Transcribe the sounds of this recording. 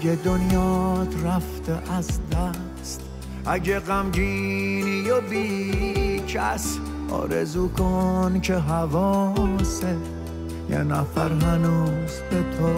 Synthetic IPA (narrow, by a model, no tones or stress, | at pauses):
ɡed̪onjɒːt̪ɾæft̪eʔæzd̪æ | st̪ | æɟeɣæmd͡ʒinijobi | t͡ʃʰæs | ɒ̰ːɾezuːkʰonkʰeɦævɔːse | jɛ̰næfæɾɦænuːzbet̪ʰɔ